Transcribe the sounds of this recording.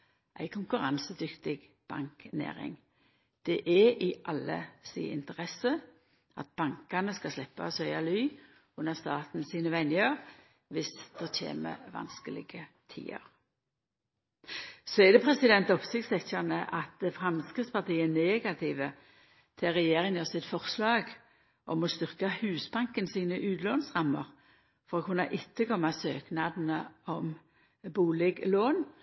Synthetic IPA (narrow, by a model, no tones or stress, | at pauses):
ʔæ̰ɪkʰʊŋkʉʁɑnsəd̪ʏkt̪ɪɡ | b̥ɑ̰ŋknḛːʁɪ̰ŋ | d̪̥ɛʔɛɪʔɑlːə̰sḭːɪ̰nt̪əʁɛsə | ɑt̪̚b̥ɑŋkɑnəskɑslɛpːɑ̰sœʏɑlyː | ʉnəst̪ɑːt̪n̩siːnəʋɛnɪəʁ | ʋɪsd̪̥oːtʰḛːmə̰ʋɑ̰nskəlɪ̰ɡət̪ʰḭːə̰ɾ | sɔɛd̪ɛpʰʁɛsɪd̪ɛnt̪ɔpsɪkt̪sɛçənəʔɑt̪fʁɑmskʁɪt̪spɑʁt̪iːɛneːɡɑt̪ʰɪʋə | t̪ʰɪlʁɛjeːʁɪŋəʁsɪt̪fɔʁslɑːɡ | ʔɔmɔst̪ʏʁkɑhʉːsbɑŋkənsiːnəʔʉːd̪loːnsʁɑmːəʁ | fɔʁoːkʰʉnːɑʔɪt̪ːəkʰɔmːɑsøːknɑd̪n̩əɔm | buːlɪɡloːn